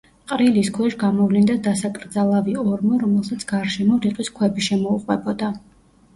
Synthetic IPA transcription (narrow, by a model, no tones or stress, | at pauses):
qʼɾiliskʰwɛʃɡamɔvlind̪ad̪asakʼɾd̪zalˠaviɔɾmɔɾɔmɛlˠsat̪sʰɡ̥aɾʃɛmɔɾiqʼwiskʰwɛbiʃɛmɔuqʼwɛbɔd̪a